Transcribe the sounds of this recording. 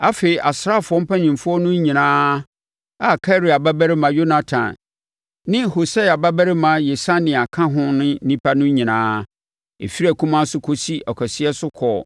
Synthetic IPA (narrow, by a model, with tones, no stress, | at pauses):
a˦fe˨i˨ʔa˨sɾa˦˨fʊ˨ɔ˦m̩˦pʰa˦ɲĩ˨mfʊ˦ɔ˦nʊ̃˦ɲĩ˨nãː˦ | a˨kʰa˦ɾi˨a˨ba˦bæ˦ɾɪ˦mã˨jo˦na˨tʰã̰˨n | nɪ̃˦ho˨sa˦a˨ba˦bæ˦ɾɪ˦mã˨je˨sã˦nɪ̃˨a˨kʰã˦ɦʊ̃˦nʊ̃˦nĩ˦pʰa˦nʊ̃˦ɲĩ˨nãː˦ | ḛ˨fi˦ɾæ˨kʰũ˦mã˦sʊ˦kʰo˦si˦ʔɔ˨kʰɔ˨sɪ˦ɛ˦sʊ˦kʰɔː˨